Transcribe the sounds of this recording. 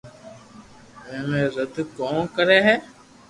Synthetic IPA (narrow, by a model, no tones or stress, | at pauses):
ẽːmẽːzəd̪kõːkəɾeːɦɛː